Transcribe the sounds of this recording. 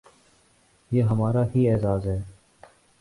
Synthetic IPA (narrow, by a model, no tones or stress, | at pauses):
jeːɦəmaːɾaːɦiːɛːzaːzɦɛː